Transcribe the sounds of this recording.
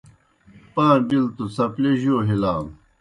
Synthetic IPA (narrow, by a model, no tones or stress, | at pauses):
paːbilt̪usɐpleʑoːɦilaːm